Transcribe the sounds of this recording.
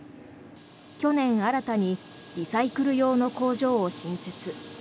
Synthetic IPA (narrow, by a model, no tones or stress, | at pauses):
kʲo̞nẽ̞ɰ̃aɾat̪aɲ̟i | ɾʲisaikɯ̟ɾɯ̟jo̞ːno̞ko̞ːʑo̞ːoɕĩɰ̃se̞t͡sɨ